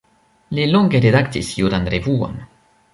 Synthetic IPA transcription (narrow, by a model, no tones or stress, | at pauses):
liloŋɡeɾedaktisjuɾanɾevuo̰m